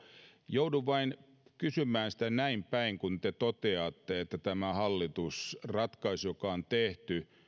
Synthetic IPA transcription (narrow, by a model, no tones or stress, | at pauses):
jouduʋɑin | kysymːˑæːnsĭ̥t̪ænæimpæiŋkunt̪et̪ot̪eɑt̪ːeet̪ːæt̪æmæhɑlːit̪usrɑt̪kɑisjokɑont̪eht̪y